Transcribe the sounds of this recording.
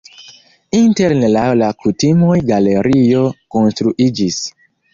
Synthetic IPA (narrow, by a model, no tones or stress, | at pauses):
inteɾnelawlakutimo̞jɡale̞ɾio̞ko̞nstɾuʔid͡ʒis